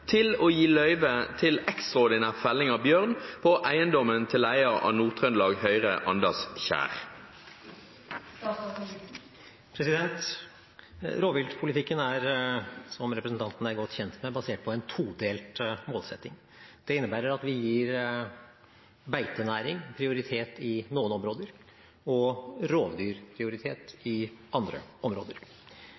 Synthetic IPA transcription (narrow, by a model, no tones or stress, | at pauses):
t̪ʰɪlɔːjiːlœʏʋət̪ʰɪlɛkst̪ʁɔʁd̪ɪnæːʁfɛlːɪŋɑbjøːʁnpʰɔʔæɪənd̪ɔmənt̪ʰɪlæɪəʁɑ̰nuːʁt̪ʰʁœnlɑːɡhœʏʁəʔɑnd̪əsçæ̰ːʁ | pʰɾɛsɪd̪ɛnt̪ | ɾoːʋɪlt̪pʰʊlɪt̪ʰɪkːənæɾsɔmɾɛpɾəsən̩t̪ɑnt̪n̩æɾɡɔt̪ːçɛnt̪mɛbɑseːʈ̚pʰɔɛnt̪ʰuːd̪eːltmoːlsɛt̪ːɪŋ | d̪̥ɛɪnːəbæːɾəɾɑt̪ʋɪjiːɾ | bæɪt̪ənæːɾɪŋpʰɾɪʊɾɪt̪ʰeːt̪ɪnuːənɔmɾoːd̪əɾ | ɔɾoːʋd̪yːɾpʰɾɪʊɾɪt̪ʰeːt̪ɪɑnd̪ɾə̰ɔmɾo̰ːd̪əɾ